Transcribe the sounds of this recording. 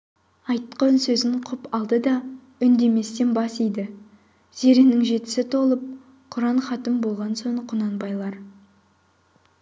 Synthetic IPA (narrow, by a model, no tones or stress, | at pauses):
ɑjt̪qɑnsɵzɪŋqʰʊpɑlˠd̪əd̪ɑ | ʏnd̪e̞me̞st̪e̞nbɑsijd̪ɪ | z̥e̞ɾenɪŋʒe̞t̪ɪ̥sɪt̪ʰo̞lˠəp̚ | qʰʊɾɑɴχɑt̪əmbo̞lˠʁɑnso̞ɴqʰʊnɑnbɑjlˠɑɾ